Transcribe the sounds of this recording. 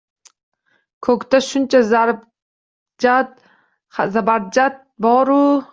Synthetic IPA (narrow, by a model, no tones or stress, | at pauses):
kʰokt̪aʃunt͡ʃʰazaɾb | d͡ʒat̪ | azabaɾd͡ʒat̪̚bɔːɾu